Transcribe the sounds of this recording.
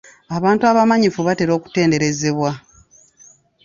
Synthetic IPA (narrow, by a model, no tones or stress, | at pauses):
aβaːntuaβamaɲifuβate̞ɾo̞ːku̥te̞ːnde̞ɾe̞ze̞βwa